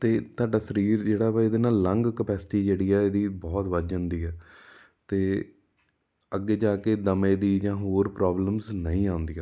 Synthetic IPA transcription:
t̪eːt̪aːɖaːsəɾiːɾd͡ʒeːɽaːɪd̪eːnaːlːə̃ŋɡkəpɛːsɪ̥ʈiːd͡ʒeːɽiːɛːeːd̪iːbɔːt̪ʋəd͡ʒãːnd̪iːɛː | t̪eː | əɡːeːd͡ʒaːkeːd̪əmẽːd̪iːd͡ʒãːɦoːɾpɾɔːbləmznə̰ĩːãːnd̪iːɛː

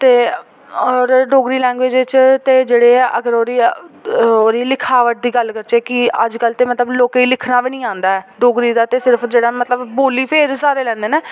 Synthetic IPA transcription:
t̪eː | ɔːɾɖoːɡɾiːlɛ̃ːŋɡʋeːd͡ʒt͡ʃt̪eːd͡ʒeːɽeːəɡəɾoːɾiː | oːɾiːlɪkʰaːʋəʈ̚d̪iːɡəlkəɾt͡ʃeːkɪəd͡ʒkəlt̪eːmət̪ləbloːkeiːlɪkʰnaːʋiːnĩːãːnd̪aːɛːɖoːɡɾiːd̪aːt̪eːsɪɾəpʰd͡ʒeːɽaːmət̪ləbboːliːpʰeːɾsaːɾeːlɛ̃ːnd̪eːneː

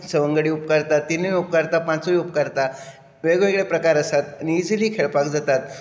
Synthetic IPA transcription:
səʋəŋɡəɽiːupkəɾt̪at̪ːiniup̚kəɾt̪apãt͡soiup̚kaɾt̪a | ʋeɡʋeɡɭepɾəkaɾəsat̪nid͡zliːkʰeɭpakd͡zat̪at̪̚

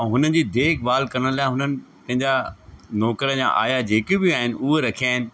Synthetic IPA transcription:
ɦʊnən̆d͡ʑiːd̪eːkʰbaːlkɐɾəɽ̃laːɪ̃ɦʊnənɪ̆pɐ̃ɦɪ̃ɲd͡ʑanɔːkɾəd͡ʑã̰ʔa̰ːjad͡ʑeːkɪbɪaːɦɪnɪ̆ʊɦeɾɐkʰijaːɦɪnɪ̆

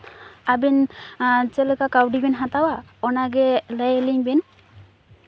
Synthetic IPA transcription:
abin | t͡ʃɛlɯkakawdibɛnɦatawaɔnaɡɛlajeliŋbɛn

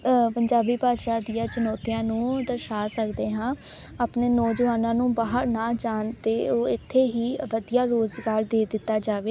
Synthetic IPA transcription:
pəɲd͡ʒaːbiːpaːd̪ʃaːd̪ijãːt͡ʃʊnɔːt̪ijãːnũːd̪əɾʃaːsəkd̪eːɦãː | aːpneːnɔːd͡ʒəaːnãːnũːbaːɦəɾnãːd͡ʒaːnt̪eːoːɪt̪ʰːeːɦiːʋəd̪ijaːɾoːzɡaːɾd̪eːd̪ɪt̪ːaːd͡ʒaːʋeː

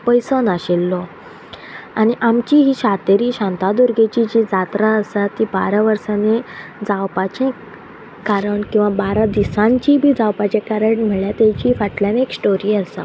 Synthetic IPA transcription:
pəjsənaɕelːɔ | añiʔamt͡ɕiɦiːɕat̪eɾiːɕãnt̪ad̪uɾɡet͡ɕid͡ʑiːd͡zat̪ɾaəsat̪ːiːbaɾaʋəɾsaned͡zawpat͡ɕẽ | kaɾəɳkĩw̃ʋabaɾad̪isãɲt͡ɕibʱiːd͡zawpat͡ɕẽkaɾəɳm̤əɭjat̪at͡ɕifaʈljaneksʈoɾiːəsa̰

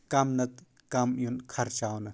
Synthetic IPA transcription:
kɐmnɐt̪̚ | kɐmjunkʰɐɾt͡ʃawnɐ

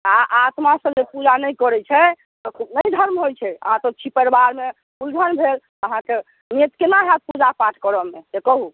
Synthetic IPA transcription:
aʔat̪masə̃d͡ʒepud͡ʒanɛjkɔɾɛt͡ʃʰɛ | t̪ɔkʰubnəjd̪ʱəɾmɦojt͡ʃʰɛə̰ɦãt̪ɔt͡ʃʰipəɾbaɾme | uld͡ʒʱənbʱel | əɦãke | met̪kenaɦat̪̚pud͡ʒapaʈʰkəɾəmesekɔɦu

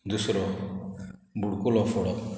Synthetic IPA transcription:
d̪usɾɔ | mbuɽkulɔfɔɽɔq

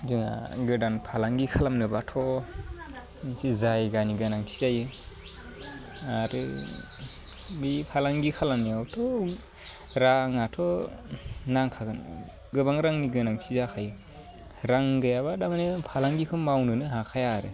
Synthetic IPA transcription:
zɯŋa̰ɡɯdanpʰalaŋɡikʰalamnɯbatʰɔ | sizajɡaniɡɯnaŋtʰi̥zajɯ | aɾɯ | bipʰalaŋɡikʰalamniawtʰɔ | ɾaŋatʰɔ | naŋkʰaɡɯn̰ | ɡɯbaŋɾaŋniɡɯnaŋtʰizakʰajɯ | ɾaŋɡɯjabadamanɯpʰalaŋɡikʰɯmːawnɯnɯɦakʰajaɾɯ̰

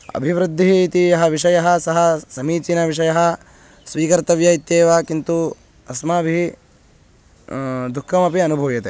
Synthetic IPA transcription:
ɐ̰bʱiʋɾɨd̪ʱːiːt̪ijɐɦɐʋiʂɐjɐɦɐ̆sɐɦɐsɐmiːt͡ʃinɐʋiʂɐjɐɦɐ | sʋiːkɐɾt̪ɐʋjɐit̪jeːʋakint̪u | ɐsmɐːbʱi | d̪ukʰːɐmɐpiɐnubʱɐʋjɐt̪e

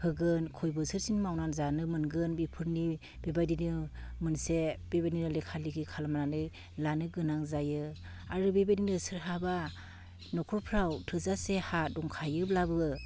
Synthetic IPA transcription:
hɯɡɯnkʰɔjbɯsɯɾsinmawnanzanɯmɯnɡɯnbipʰɯɾni | bebajdinɯmɯnsebebaninɯlekʰaliɡikʰalamananɯ | lanɯɡɯnaŋzajɯ | aɾɯbebaninɯsɯɾɦaba | nɔkʰɔɾpʰɾawtʰɯzasehadɔŋkʰajɯblabɯɯ

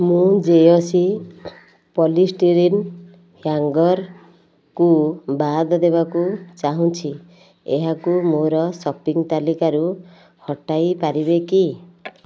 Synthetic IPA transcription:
mũd͡ʒeosi | pɔlisʈiɾin | hjaŋɡɔɾ | kubad̪ʱɔd̪eβakut͡ʃaɦũt͡ʃʰi | eɦakumoɾɔsɔpiŋt̪alikaɾu | hɔʈajpaɾibeki

